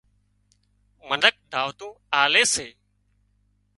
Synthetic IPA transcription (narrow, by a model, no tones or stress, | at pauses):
mənək̚d̪ʱaːʋt̪ũː | aːleːseː